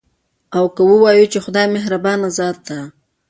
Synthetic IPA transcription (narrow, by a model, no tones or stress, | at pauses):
awkəwəwɑjut͡ʃexʊd̪ɑjmɪɦɾabɑnazɑt̪̚ːa